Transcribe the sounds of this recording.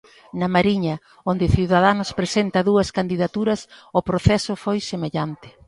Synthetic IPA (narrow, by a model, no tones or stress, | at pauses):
nɐmaɾiɲɐ | ond̪ɪθiwðað̞anʊspɾesent̪ɐðuɐskand̪iðat̪uɾɐsopɾoθɛsʊfojsemeʎant̪ɪ̥